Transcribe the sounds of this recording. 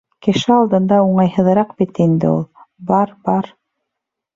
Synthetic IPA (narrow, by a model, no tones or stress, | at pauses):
kɘ̆ʃɘɑlˠd̪ɤ̆nd̪ɑuɴɑjhɤ̆ðɾɑqbit̪ind̪ɘ̰ṵlˠbɑɾbɑɾ